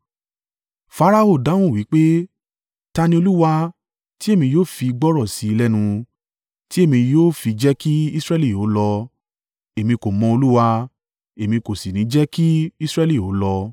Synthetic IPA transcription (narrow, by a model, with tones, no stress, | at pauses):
fa˨˦ɾa˧o˦˨da˨˦w̃ũ˦˨wi˨˦k͡pe˦ | ta˧nĩ˧o˧lu˦wa˧ | ti˦e˦˨mĩ˧joː˦fi˧i˧ɡ͡bɔ˦ɾɔ˦˨si˨˦i˧lɛ˦nũ˧ | ti˦e˦˨mĩ˧joː˦fi˧d͡ʒɛ˦ki˦i˦sɾɛ˦li˦˨joː˨˦lɔ˧ | e˨mĩ˧ko˨mɔ̃˧o˧lu˦wa˧ | e˨mĩ˧ko˨si˨nĩ˨˦d͡ʒɛ˦ki˦i˦sɾɛ˦li˦˨o˨˦lɔ˧